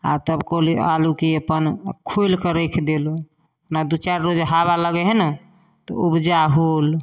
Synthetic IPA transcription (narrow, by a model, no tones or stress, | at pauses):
a̰t̪əbkolialukiepənkʰojlkəɾekʰd̪elo | nad̪ut͡ʃaɾɾod͡ʒɦabaləɡɛɦɛnə | t̪ɔ̰ubd͡ʒaɦol